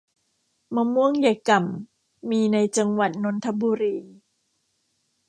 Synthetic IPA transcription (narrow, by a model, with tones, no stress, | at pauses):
ma˧mu˥˩əŋja˧˩jka˨˩mː | iː˧na˧jt͡ɕa˧ŋwa˨˩t̪̚no˧˦˥nt̪ʰa˧˦buː˧ɾiː˧